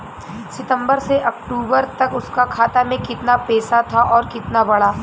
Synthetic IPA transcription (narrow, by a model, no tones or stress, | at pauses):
sɪt̪ə̃mbəɾseʔɐkʈuːbəɾt̪ɐkʊskakʰaːt̪amẽkɪt̪napɛːsat̪ʰaʔɔːɾkɪt̪nabɐɽaː